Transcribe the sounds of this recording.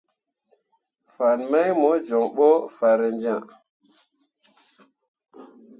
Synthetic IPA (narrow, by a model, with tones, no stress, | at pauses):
fa˨nma˦jmo˨˦d͡ʒo˨ŋɓo˦fa˨ɾe˨nd͡ʒã˦˨